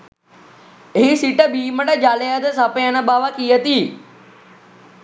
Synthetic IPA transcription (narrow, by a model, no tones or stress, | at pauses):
ɦisiːʈəbiːməɽəd͡ʒaːleəd̪əsaːpeənəbaːʋakiːət̪iː